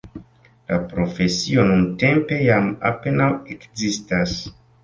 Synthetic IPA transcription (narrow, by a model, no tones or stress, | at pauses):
lapɾo̞fe̞sio̞nunte̞mpe̞jama̰pe̞nawekzistas